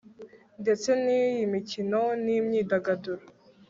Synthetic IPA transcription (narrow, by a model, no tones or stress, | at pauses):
nde̞t͡se̞nijimicinonimɲiːdaɡaduɾa